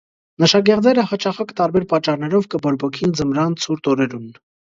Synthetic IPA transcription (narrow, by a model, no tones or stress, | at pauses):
nəʃɑɡɛʁd͡zɛɾəhɑt͡ʃʰɑχɑkt̪ɑɾbɛɾpɑt͡ʃːɑrnɛɾɔvkəbɔɾbɔkʰind͡zəmɾɑnt͡sʰuɾt̪ɔɾɛɾun